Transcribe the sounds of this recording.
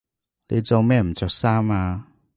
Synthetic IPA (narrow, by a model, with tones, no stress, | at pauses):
li˧˦t͡so˧mɛ˥˧˨m̩˨t͡sɔ˧sa˦ma˧